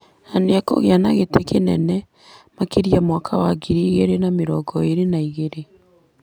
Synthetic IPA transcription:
naneako̰ɣeanaɣetekenɛnɛ | makeɾiamwakʰawaɡiɾiɣeɾenameɾɔːɡɔeɾenaiɣeɾe

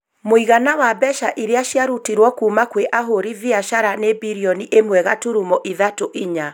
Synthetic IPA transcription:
moiɣanawabɛʃaʔiɾeaʃjaɾutiɾwɔkuːmakweʔaɦoɾiviaʃaɾanebiɾiɔniʔemwɛɣatuɾumɔʔiðatoʔiɲa

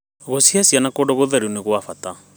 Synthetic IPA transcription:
ɣosiasianakoɖɔɣoðaɾiuneɣwafata

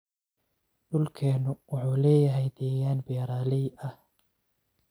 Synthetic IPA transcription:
ɖʊlkʰɛːnʊwɑħuːlɛːjɐɦɛjd̪ɛːjaːnbɛːɾaːlɪɐh

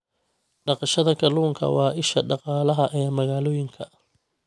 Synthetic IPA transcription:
ɖɑqɑʃɐðɐkʰɐluːŋkʰɐ̰wɑːʔɪʃɐɖɑqɑːlɐɦɐʔɛːmɐɣaːlɔːjɪŋkʰɐ

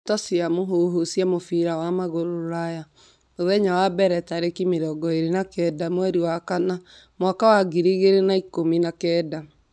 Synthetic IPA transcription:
tɔsiamoɦoɦosjɛmofiɾawamaɣoɾoɾaja | oðɛɲawabɛɾɛtaɾekimeɾɔɡɔeɾenakɛdamwɛɾiwakana | mwakawaɡiɾiɣeɾenaikominakɛda

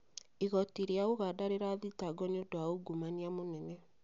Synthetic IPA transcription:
iɣɔtiɾeaoɣadaɾeɾaːðitaɡɔneodoaoɡumaniamonɛnɛ

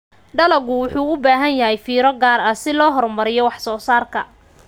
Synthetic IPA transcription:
ɖɐlɐɡʊwʊħuːʊbaːɦɐnjɐɦɛjfiːɾɔɡaːɾɐsɪlɔːɦɔrmɐɾɪjɔwɑħsɔːsaːrkʰɐ

